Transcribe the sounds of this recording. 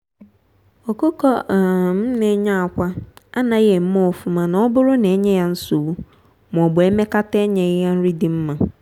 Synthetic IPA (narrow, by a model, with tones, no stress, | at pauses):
o˨ko˦kɔ˦˨m̩˦ne˨˦ɲa˦˨a˨kʷa˦a˦nã˨je˨m̩˦mɔ˦˨fu˨mã˨nã˨˦ɔ˦bʊ˦ɾʊ˦ne˨˦ɲɛ˦ja˨n̩˦su˨wu˦ | m˨ɔ˨bʊ˨e˦me˦ka˦tɛ˦ɲɛ˨˦a˦n̩˦ɾi˦dɪ˨m̩˦mã˨